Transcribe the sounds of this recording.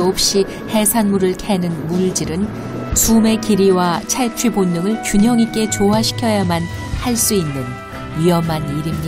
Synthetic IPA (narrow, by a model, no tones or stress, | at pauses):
op̚ɕ͈i | he̞sʰanmuɾɯɭkʰe̞nɯnmuɭd͡ʑiɾɯn | sume̞kiɾiwat͡ɕʰaɭt͡ɕʰɥibonːɯŋɯɭkjuɲʌŋik͈e̞t͡ɕoɦaɕʰi̥kʰjʌjaman | haɭs͈uinːɯn | ɥiʌmaniɾimɲi